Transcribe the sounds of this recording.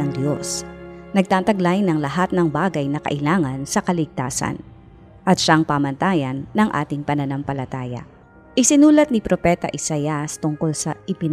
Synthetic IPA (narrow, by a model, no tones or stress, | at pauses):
ɐŋd̪josnɐɡ̚t̪aːt̪ɐɡlajnɐŋlɐɦat̪̚nɐŋbaːɡɐjnɐkɐ̰ʔɪlaːŋɐnsɐkɐlɪɡ̚t̪a̰ːsɐ̰n | ʔɐt̪ʃaŋpamɐnt̪aːjɐnːɐŋʔa̰ːt̪ɪŋpɐnɐnɐmpɐlɐt̪aːjɐ̰ | ʔɪsɪnuːlɐt̪̚nipɾopɛt̪ɐ̰ʔɪsajɐst̪ʊŋko̞lsɐʔɪpɪn